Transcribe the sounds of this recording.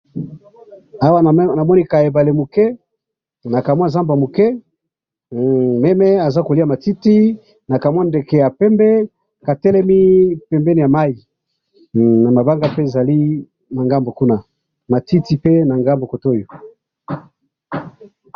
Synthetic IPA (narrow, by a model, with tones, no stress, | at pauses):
a˦wa˦˨na˨mɔ˦ni˦ka˨e˨ba˨le˨mu˨kɛ˦ | na˨ka˨mwa˦˨za˦mba˨mo˨kɛ˦ | mɛ˦mɛ˦a˨za˦ko˨li˦a˦˨ma˨ti˦ti˦ | na˨ka˨mwa˦nde˨kɛ˨ja˨pɛ˦mbɛ˦ | ka˨tɛ˦lɛ˦mi˦pɛ˨mbɛ˦ni˨ja˨ma˦i˨ | na˨ma˨ba˦ŋɡa˦pe˦e˨za˨li˦ | na˨ŋɡa˦mbo˨ku˦na˦˨ | ma˨ti˦ti˦pe˦na˨ŋɡa˦mbo˨ko˨to˦˨jo˨